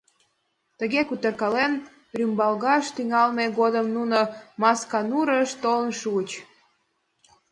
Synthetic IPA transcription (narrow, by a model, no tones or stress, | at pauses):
t̪əɣekut̪ərkɑlen | rymbɑlɣɑʃt̪yŋɑlmeɣod̪əmnunomɑskɑnuɾəʃt̪olənʃuət͡ɕ